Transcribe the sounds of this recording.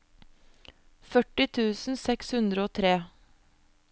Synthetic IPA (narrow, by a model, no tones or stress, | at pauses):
fœʈɪt̪ʰʉːsn̩sɛkshʉnd̪ɾəoːt̪ʰɾeː